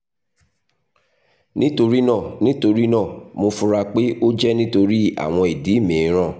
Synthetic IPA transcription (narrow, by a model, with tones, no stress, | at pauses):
nĩ˦to˧ɾi˦nã˦˨nĩ˦to˧ɾi˦nã˦˨mo˧fu˧ɾa˧k͡pe˦o˦d͡ʒɛ˦nĩ˦to˧ɾi˦a̰˨w̃ɔ̃˧i˨di˨˦˨mĩ˨˦ɾ̃ã˦˨